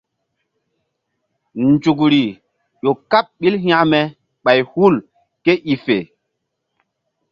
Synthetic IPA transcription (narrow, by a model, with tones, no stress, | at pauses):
nd͡ʒu˨k̬ɾi˨ | ɗo˨ka˦p̚ɓi˦lɦj̃ã˦mɛ˨ | ɓa˨jhu˦˨l | ke˦ʔi˨fe˨